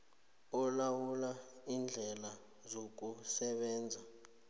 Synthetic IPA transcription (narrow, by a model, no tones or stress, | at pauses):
ɔlawulaind͡ɮʱɛla | zok̬usɛɓɛːnd͡zʱa